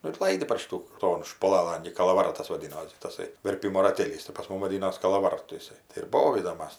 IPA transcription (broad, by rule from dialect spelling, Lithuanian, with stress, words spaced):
ˈnʊ ɪr ˈlˠɐɪdʲɪ pɐr ˈʃʲɪtuː ˈtoːn ʃpʊˈlˠɑːlˠɐn ɡʲɪ kɐlˠɐʋɐˈrɑːtɐs ʋɐˈdʲɪnoːsʲɪ tɐˈsɐɪ ʋʲɛrʲˈpʲɪmoː rɐˈtʲeːlʲiːs tɐɪ pɐs ˈmʊm ʋɐˈdʲɪnoːs kɐlˠɐˈʋɐrtʊ ɪˈsɐɪ tɐɪ ɪr ˈboːʋʲiːdoːm ˈmɐs